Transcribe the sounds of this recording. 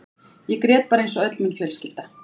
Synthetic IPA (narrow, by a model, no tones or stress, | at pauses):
jɛkɾɛːt̪̚paːɾaejnsɔœt̪lmʏnçœːlscɪlt̪a